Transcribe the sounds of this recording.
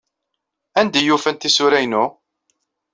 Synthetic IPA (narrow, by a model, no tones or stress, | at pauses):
ænd̪æjufənt̪isʊɾæjnu